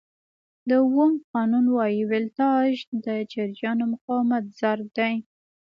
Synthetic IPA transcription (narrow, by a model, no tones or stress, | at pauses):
d̪əwəmqɑnunwɑjiwɪlt̪ɑʒd̪əd͡ʒaɾjɑnomʊqɑwmat̪̚z̥aɾd̪aj